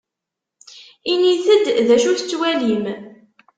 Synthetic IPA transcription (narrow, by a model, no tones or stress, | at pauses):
iniθəd̪ðæʃuθət͡sːwælim